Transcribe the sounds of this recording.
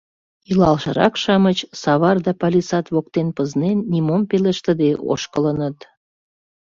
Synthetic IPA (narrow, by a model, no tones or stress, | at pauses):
ilɑlʃə̆ɾɑkʃɑmət͡ɕsɑβɑrd̪ɑpɑlʲisɑt̪βok̚t̪enpəznenːimompeləʃt̪ə̆d̪eʔo̰ʃkələnət̪